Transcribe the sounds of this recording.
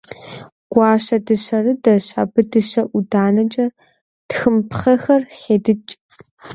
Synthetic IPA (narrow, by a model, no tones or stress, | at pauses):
ɡ̥ʷɑːɕɐdɨɕɐrɨdɐɕa̰bɨdɨɕɐʔʷʊdaːnɐt͡ʃʼɐ | txɨmpχɐxɐrχeːdɨt͡ʃʼ